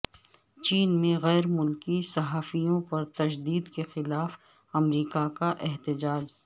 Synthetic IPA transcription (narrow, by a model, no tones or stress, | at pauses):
t͡ʃiːnmẽɣɛːɾmʊlkisɐɦaːfijõpɐɾt̪ɐd͡ʒd̪iːd̪kexɪlaːf | ɐmɾiːkakaʔɛɦt̪ɪd͡ʒaːd͡ʒ